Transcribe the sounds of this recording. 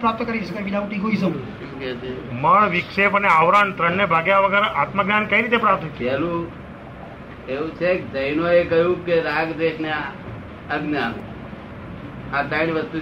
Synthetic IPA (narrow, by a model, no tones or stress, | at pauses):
pɾap̚t̪əkəɾisəkəɾbilaũʈikɦoisək | ekɛt͡ʃeməɭʋɪkʂepəneaʋɾant̪ɾəɳːebʱaɡjaʋəɡəɾat̪məɡnankəiɾit̪epɾap̚t̪ʰɦokɛlu | eũt͡ʃʰek̚d͡ʒ̪əjnoekəjũkeɾaːɡd̪eʃnea | əɡnjanṵ̃ | at̪ainiʋəst̪u